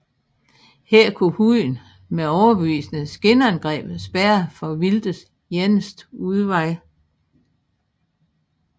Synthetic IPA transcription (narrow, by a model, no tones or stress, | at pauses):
heɐ̰kʰuhuð̰ˠn̩ | meɒʊɐb̥eʋḭːsnəsɡ̥e̝nəænɡ̥ʁɛ̰ːb̥̩ˠsb̥æɐfɒ̽ʋild̥əs | jenəsd̥uðˠʋɑ̈ɪ